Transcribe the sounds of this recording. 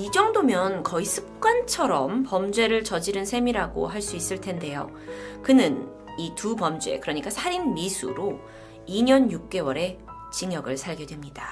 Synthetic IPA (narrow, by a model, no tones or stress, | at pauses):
id͡ʑʌŋdomjʌnkʌisʰɯ̥p̚k͈want͡ɕʰʌɾʌmpʌmd͡ʑwe̞ɾɯɭt͡ɕʌd͡ʑiɾɯnsʰe̞miɾaɡo̰ɦaɭs͈uis͈ɯɭtʰe̞nde̞jo̰ | kɯnɯn | itupʌmd͡ʑue̞̰kɯɾʌɲik͈asʰaɾinmisʰuɾo | iɲʌnjuk̚k͈e̞wʌɾe̞ | t͡ɕiŋjʌɡɯɭsʰaɭɡe̞dwe̞mɲida